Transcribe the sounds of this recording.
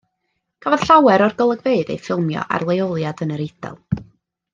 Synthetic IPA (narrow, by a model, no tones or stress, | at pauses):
kʰavɔð̥ɬawɛɾɔrɡəlˠəɡveɨdḛjfɪlˠmjɔ̰ʔa̰rlˠejɔlˠjadənəɾɪd̥ɛ̰lˠ